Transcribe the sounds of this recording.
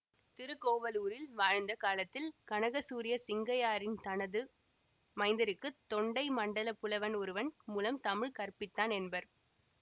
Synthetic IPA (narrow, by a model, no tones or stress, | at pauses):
t̪ɪɾɯkːoːʋɐluːɾɪlʋaːɻnd̪ɐkaːlɐt̪ːɪlkɐnɐɣɐsuːɾɪjɐsɪŋɡɐjaːɾɪnt̪ɐnɐðɯ | mɐɪnd̪ɐɾɯkːɯt̪ːɔɳɖɐɪmɐɳɖɐlɐpːɯlɐʋɐnɔɾɯʋɐnmuːlɐmt̪ɐmɪɻkɐɾpɪt̪ːaːnɛnbɐɾ